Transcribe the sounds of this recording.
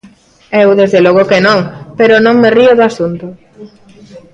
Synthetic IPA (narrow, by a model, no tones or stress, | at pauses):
ewðezðelɔɣokenõŋpeɾʊnõŋmerioðʊasunt̪ʊ